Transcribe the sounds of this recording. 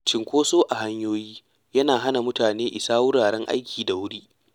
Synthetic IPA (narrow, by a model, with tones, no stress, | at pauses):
t͡ʃɪ˨ŋkʷoː˦soː˦ʔa˨ɦa˦ɲjoː˦jiː˦ | jɐ˦naː˨ɦa˦na˨mʊ˦taː˨neː˦ʔɪ˨saː˦wʊ˦ɽaː˨ɽɛ˦ŋʔa̰˦jkʲʰiː˨da˨wʊ˦ɽiː˦